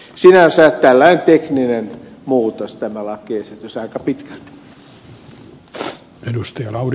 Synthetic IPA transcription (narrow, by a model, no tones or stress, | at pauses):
sinænsæːtt̪ælːæint̪ekninenmuːt̪ost̪æmælɑkeːset̪ysɑikɑpit̪kælt̪ | edust̪ɑjɑlɑur